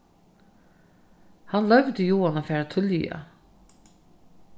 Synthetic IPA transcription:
hanlœvd̪əjuːanafɛːɾat̪ʰʏlj̰a̰

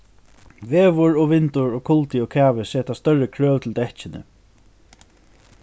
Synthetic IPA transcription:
ʋeːʋʊɹɔʋɪnt̪ʊɹɔkʰʊlt̪ɪɔkʰæːʋɪsɛːt̪ast̪œɹəkʰɹœːwt̪ʰɪlt̪ɛht͡ʃɪnə̰

